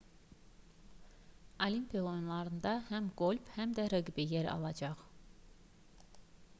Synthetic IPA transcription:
ɑlimpʰilˠonlˠɑɾɯnd̪ɑhæmɡolʲbhæmd̪æɾɯɡibijeɾɑ̰lˠɑd͡ʒɑχ

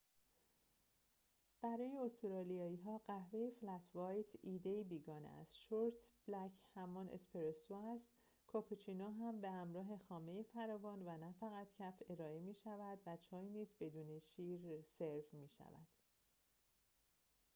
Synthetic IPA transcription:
b̥æɾɒːje̞ost̪oɾɒːlijɒːiːɦɒːɢæhve̞jeflæt̪ʰvɒjt̪ʰiːd̪eiːbiːɡɒːnḛæ̰st̪ʃoɾt̪ʰb̥læcʰhæmɒnʔḛspeɾesoæst̪ | kʰɒpʰut͡ʃʰinoːɦæmbe̞hæmɾɒːɦe̞xɒːme̞jefæɾɒːvɒːnvænæfæɣæt̪cʰæfe̞ɾɒːe̞miːʃævæd̪væt͡ʃʰɒːjiniːzbe̞d̪uːneʃiːɾseɾfmiːʃæ̰væ̰d̪̥

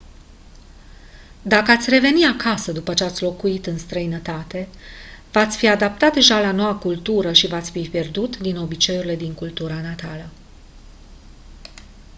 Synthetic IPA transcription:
d̪akəat̪sʲre̞ve̞niakʰasəd̪upət͡ʃe̞at̪sʲlo̞kuit̪ɨnst̪ɾəinət̪at̪e̞vat̪sʲfiad̪ap̚t̪at̪̚d̪e̞ʒalano̞wakult̪uɾəʃivat̪sʲfipje̞rd̪ut̪d̪ino̞bit͡ʃe̞juɾile̞d̪iŋkult̪uɾanat̪alə

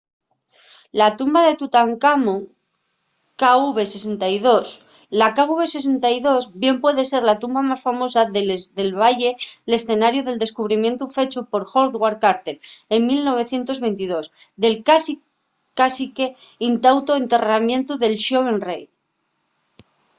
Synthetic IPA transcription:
lat̪umbaðe̞t̪ut̪aŋkamo | kauβe̞se̞se̞nt̪ajðo̞s | lakauβe̞se̞s̬e̞nt̪ajðo̞zbje̞mpwe̞ðe̞se̞ɾlat̪umbamasfamo̞saðelðe̞lβaʝe̞le̞sθe̞naɾjuðe̞ld̪e̞skuβɾimjẽ̞nt̪ufe̞t͡ʃupo̞ɾxo̞ɾðɣwaɾkaɾt̪eɾe̞ŋmilno̞β̞e̞θje̞nt̪o̞zβe̞nt̪iðo̞sðe̞lkasi | kasikeint̪awt̪oent̪e̞ramje̞nt̪uðe̞lʃoβ̞e̞nrej

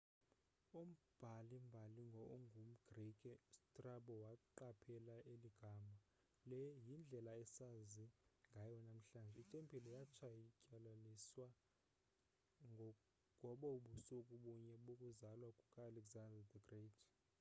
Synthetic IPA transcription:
um̩b̥ʱalimbʱaliŋɡʱɔŋɡʱum̩ɡ̥rikʼɛstʼraɓɔwaǃapʰɛlaeliɡ̥ʱama | lɛjind͡ɮʱɛlaɛsaziŋɡʱajɔnam̩ɬaːnd͡ʒʱɛitʼempʰʼilɔjat͡ʃʰajicʼalaliswa | ŋʱɔɓauɓusɔkʼuɓuɲɛɓokʼuzalwakʼukʼalɛkzanddɡred

